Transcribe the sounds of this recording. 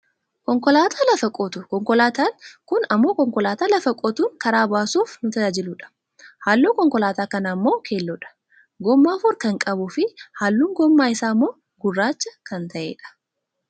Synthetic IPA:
kɔŋkɔlaːt̪ʰaːlɐfɐkʼɔt̪ʊkɔŋkɔlaːt̪aːnkʊnɐmːo̞ːkɔŋkɔlaːt̪aːlɐfɐkʼɔt̪uːŋkɐɾaːbaːsuːfnʊt̪ɐad͡ʒɪluᶑɐ̥ | haːlːuːkɔŋkɔlaːt̪aːkɐnaːmːo̞ːkʰeːlːɔᶑɐ̥ | ɡɔmːaːfʊɾkɐŋkʼɐbʊfɪhaːlːuːŋɡɔmːaːɪsaːmːo̞ː | ɡʊrːaːt͡ʃːɐkɐnt̪ɐʔeːᶑɐ̥

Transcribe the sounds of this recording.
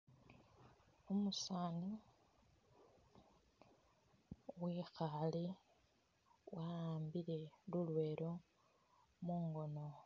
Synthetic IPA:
omusaːni | ɣwixali | waaːmbiɾe̞lulwe̞ːɾo̞ | muŋɡo̞no̞

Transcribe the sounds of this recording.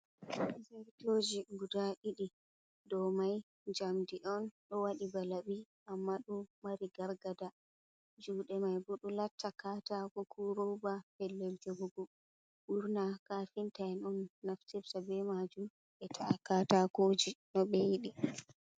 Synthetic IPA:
zaɾtod͡ʒiɡudaʔiɗi | dɔmaj | d͡ʒamdiʔɔnɗɔwaɗibalabi | ʔamːaɗɔmaɾiɡaɾɡada | d͡ʒuːɗɛmajbɔɗulatːakaːtakɔkʰuɾɔbapɛlːɛld͡ʒɔbɔɡɔ | ʔuɾnakafintaɛnɔnːaftɛbsabɛmad͡ʒum | ɓɛtʰaʔakatakod͡ʒinɔɓɛjiɗi

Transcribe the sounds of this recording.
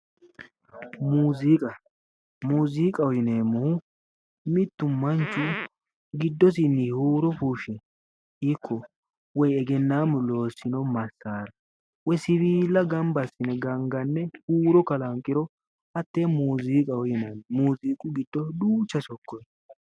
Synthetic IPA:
muːzikʼɐ | muːzikʼɐwjɪneːmːɔh | mɪt̪ːʊmɐnt͡ʃːʊ | ɡɪd̪ːɔs̬ɪnːihuːɾɔfuːʃɛ | ikʰːɔ | wɔjɛɡɛnːaːmʊlo̞ːsɪnɔmɐsːaːɾɐ | wɔsɪβiːlːɐɡɐmbɐsɪnɛɡɐŋɡɐnːɛhuːɾɔkɐlɐŋkʼːɪɾɔ | ɐt̪ːeːmuːziːkʼɐwɪnɐnmuːziːkʼʊɡɪd̪ːɔd̪uːt͡ʃːɐsɔkːɔj

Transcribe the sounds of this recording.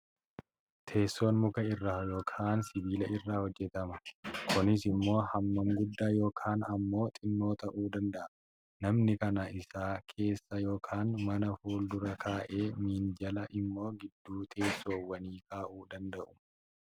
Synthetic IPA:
t̪ʰe̞ːsːo̞ːnmʊkɐɪrːaːjo̞ːkʰaːnsɪbiːlɐʔɪrːaːhɔd͡ʒːɛt̪ɐmɐkʊnɪsɪmːo̞ːhɐmːɐŋɡʊd̪ːaːjo̞ːkʰaːnɐmːo̞ːt̪ʼɪnːo̞ːt̪ɐʔuːd̪ɐnd̪ɐʔɐ | nɐmnɪkɐnɐɪsaːkʰe̞ːsːɐjo̞ːkʰaːnmɐnɐfuːld̪ʊɾɐkʰaːʔe̞ːmiːnd͡ʒɐlɐʔɪmːo̞ːɡɪd̪ːuːt̪ʰe̞ːsːoːwːɐniːkaːʔuːd̪ɐnd̪ɐʔʊ̥

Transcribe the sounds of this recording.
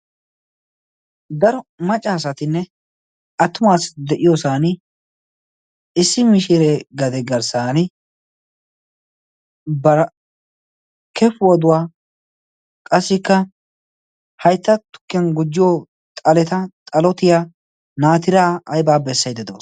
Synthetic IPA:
d̪ɐɾɔmɐt͡ʃʼːaːsɐt̪ɪnːɛ | ɐt̪ːʊmaːsd̪ɛʔɪjoːsaːnɪ | ɪsːɪmɪʃɪɾeɡɐd̪ɛɡɐɾsaːnɪ | bɐɾ | kɛfʊwɐd̪ʊwaː | kʼɐsːɪkːɐ | hɐjt̪ːɐt̪ʊ̥kːɛnɡʊd͡ʒːɪjoː | t̪ʼɐlɛt̪ɐt̪ʼɐlɔt̪ɪjaː | naːt̪ɪɾaːɐjbaːbɛsːɐjd̪ɛd̪o̰ːs

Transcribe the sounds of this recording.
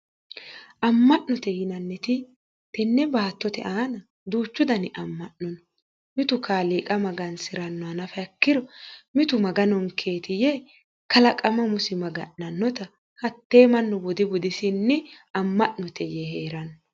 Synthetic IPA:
ʔɐmːɐʔnɔt̪ɛjɪnɐnːɛt̪ɪ | t̪ɛnːɛbaːt̪ːɔt̪ɛ̰ʔaːnɐ | d̪uːt͡ʃːʊd̪ɐnɪʔɐmːɐʔnɔnɔ | mɪt̪ʊkaːliːkʼɐmɐɡɐnsɪɾɐnːɔɐnɐfɛɐkːɪɾɔmɪt̪ʊmɐɡɐnɔŋkʰeːt̪ɪje | kɐlɐkʼɐmɐmʊsɪmɐɡɐ̰ʔnɐnːɔt̪ɐ | hɐt̪ːe̞ːmɐnːɔbɔd̪ɪbɔd̪ɪsɪnːɛɐmːɐʔnɔt̪ʰɛjeheːɾɐnɔ

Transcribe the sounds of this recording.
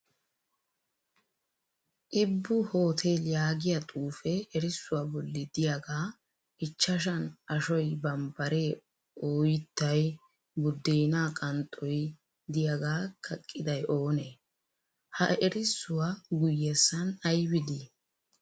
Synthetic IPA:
ʔɪbːʊho̞ːt̪ʰeːljaːɡɪjɐt̪ʼuːfɛɛɾɪsːʊwabɔlːɪd̪ɪjɐɡaː | ʔɪt͡ʃːɐʃ̬ɐnɐʃɔjbɐmbɐɾeː | oːjɪt̪ːɐj | bʊd̪ːeːnaːkʼɐnt̪ʼɔj | d̪ɪjɐɡaːkʰɐkʼːɪd̪ɐjʔo̞ːne | hɐɛɾɪsːʊwaɡʊjːɛsːɐnɐjbɪd̪i

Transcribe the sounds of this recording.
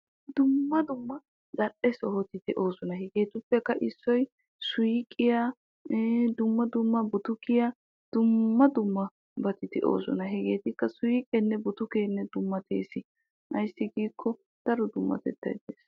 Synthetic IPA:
d̪ʊmːɐd̪ʊmːɐ | zɐɗɛsɔhɔt̪ɪd̪ɛʔo̞ːsɔnɐɦɛɡeːt̪ʊpːɛkːɐʔɪsːɔj | sʊjɪkʼːɪja | d̪ʊmːɐd̪ʊmːɐbɔt̪ʊkɪja | d̪̥ʊmːɐd̪ʊmːɐ | bɐt̪ɪd̪ɛʔo̰ːsɔ̰nɐɦɛɡe̞ːt̪ɪkːɐsʊjikʼɛnːɛbɔt̪ʊkeːnːɛd̪ʊmːɐt̪ḛːsɪ | ʔɐjsːɪɡiːkʰːɔ | d̪̥ɐɾɔd̪ʊmːɐ̰t̪ɛ̰t̪ːɐ̰jd̪eːs

